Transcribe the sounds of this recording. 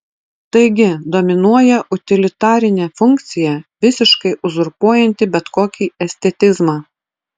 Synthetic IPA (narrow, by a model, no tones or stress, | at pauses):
t̪ɐɪɡʲɪd̪ɔmʲɪnuɔjɛʔʊt̪ʲɪlʲɪt̪ɑːɾʲɪnʲeːfʊŋʲkt̪sʲɪjɛʋʲɪsʲɪʃkɐɪʔʊzʊɾpuɔjɛnʲt̪ʲɪbʲɛt̪koːkʲiːɛsʲt̪ʲɛt̪ʲɪzmɑː